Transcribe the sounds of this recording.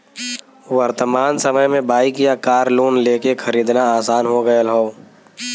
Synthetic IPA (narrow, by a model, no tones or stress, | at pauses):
ʋəɾt̪əmaːnsəməjmẽbaːikjakaːɾluːnleːkekʰɐɾiːd̪naaːsaːnɦoɡəəlɦoː